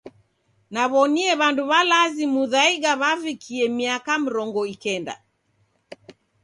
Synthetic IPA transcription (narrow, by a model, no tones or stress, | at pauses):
naβɔniɛβanduβalazimuðaiɡaβavikʰiɛmiakam̩ɾɔŋɡɔikɛnda̰